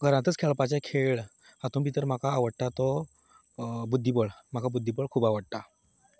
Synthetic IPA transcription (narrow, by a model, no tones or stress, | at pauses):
ɡʱəɾãt̪ət͡skʰeɭpat͡ɕɛkʰeɭ | at̪ũnbʱit̪əɾm̤akaːʋəɽʈ̪at̪ɔ | bud̪ʱːipəɭm̤akabud̪ʱːipəɭkʰuːbaʋəɽʈa